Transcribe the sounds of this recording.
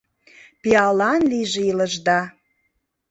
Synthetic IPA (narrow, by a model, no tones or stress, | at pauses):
piɑlɑnliʒeiləʒd̪ɑ